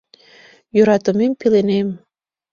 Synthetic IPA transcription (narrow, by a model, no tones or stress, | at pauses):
jøɾɑt̪omempilenem